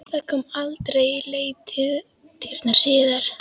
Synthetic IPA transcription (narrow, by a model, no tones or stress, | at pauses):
θakʰɔmalt̪ɾejleːjt̪ʰɪð | t̪iɾ̥t̪naɾ̥sɪːðaɾ̥